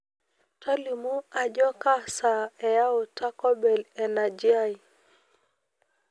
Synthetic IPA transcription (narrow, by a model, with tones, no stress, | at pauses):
ta˦li˨mu˦a˨d͡ʒɔ˦ka˦sa˨ɛ˨ja˦o˨tʰa˦kɔ˦bɛ˨lɛ˨na˨d͡ʒi˦a˦j